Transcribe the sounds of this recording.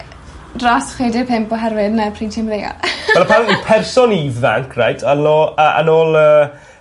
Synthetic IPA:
rɔsχwejdɪpʰɪmpɔɦɛɾvɪdnapʰrintʰɪmleja̰lɛlˠpʰannipʰɛrsɔnivða̰ŋkʰra̰jtʰanoːəʔə̰noːlˠəː

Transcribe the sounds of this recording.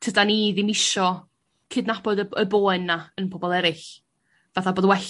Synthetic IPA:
tʰədaniðɪmɪʃɔ | kʰɨdnabɔdəboːɨnːaənpʰɔbɔlˠɛɾɪɬ | vaθaboːðwɛɬ

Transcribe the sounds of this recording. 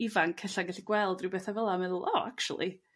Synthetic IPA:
ivankʰɛɬaɡaɬiɡwɛlˠdrɪwbeːθavəlˠamɛðʊlˠʔɔːakt͡ʃṵlˠḭ

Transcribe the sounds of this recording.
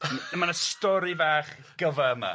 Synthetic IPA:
əmanəstɔɾivaːχ | ɡ̥əvɛəma̰

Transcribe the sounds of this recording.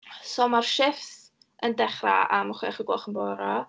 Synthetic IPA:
somarʃɪfθ | əndɛχra̰aməχwiaχəɡwɔχənbɔɾɔ

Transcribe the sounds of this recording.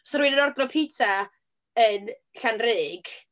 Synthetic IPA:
sɔɾwinənɔrdrɔpʰitʰa | ənɬanrɪːɡ̥

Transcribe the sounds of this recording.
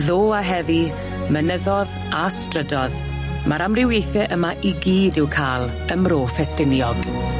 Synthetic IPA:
ðoːaɦɛvi | mənəðɔð | astrədɔð | maɾamrɪwjejθɛʔəmaʔiɡiːdɪwkʰaːlˠ | əmroːfɛstɪnjɔɡ̥

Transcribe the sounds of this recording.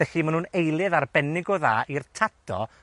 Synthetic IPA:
ɛɬimanuːnejlˠɨðarbɛnɪɡɔðaːʔirtʰad̥ɔ̰

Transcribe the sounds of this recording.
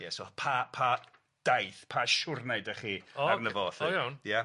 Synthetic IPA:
jɛsopʰapʰa | d̥ajθpʰaʃʊrnajdəχiːɔarnəvoːθɔjawnja

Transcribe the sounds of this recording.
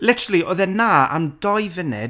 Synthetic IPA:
lˠɪtʰəɾəlˠiʔɔːðɛnaːa̰mdɔjvɪnɛ̰d

